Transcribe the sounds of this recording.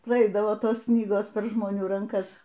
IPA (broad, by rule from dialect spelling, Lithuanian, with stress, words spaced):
prɐˈɛɪdɐʋoː ˈtoːs ˈknʲiːɡoːs pʲɛr ʒmoːˈnʲuː rɐŋˈkɐs